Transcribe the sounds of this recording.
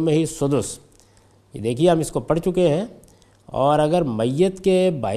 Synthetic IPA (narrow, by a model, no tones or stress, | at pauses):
mẽɦisʊd̪ʊs | kḭd̪eːkʰieɦɐmɪskopɐɽ̤t͡ʃʊkeɦɛ̃ | ɔ̰ːɾɐɡəɾmɐjːət̪keba̰ː